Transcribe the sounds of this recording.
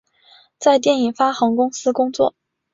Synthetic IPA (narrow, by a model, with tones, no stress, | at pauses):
t͡sa˥˧ɪt̪̬jɛ˥˩ni˨˩fa˥xɤ˧˥ŋkʊ˥ŋsɹ̩˥kʊ˥ŋt͡swɔ̰˥˩